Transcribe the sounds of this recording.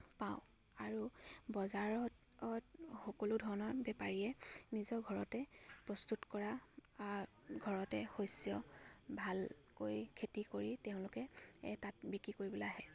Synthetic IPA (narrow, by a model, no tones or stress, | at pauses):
paʊ̃ | aɹubɔzaɹɔt | txɔkoludʱɔɹɔnɔɹbɛpaɹiɛnizɔɡʱɔɹɔtɛpɹɔstutkɔɹaaɹ | ɡʱɔɹɔtɛxojsijɔbʱal | kojkʰetikoɹiteʊ̃lʊkɛtat̚bikɹikoɹibɔlahɛ